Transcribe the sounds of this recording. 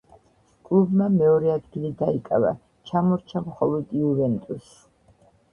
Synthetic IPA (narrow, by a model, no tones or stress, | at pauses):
kʼlˠubmamɛɔɾɛad̪ɡilid̪aikʼava̰ | t͡ʃʰamɔɾt͡ʃʰamχɔlˠɔd̪iuvɛnt̪ʼus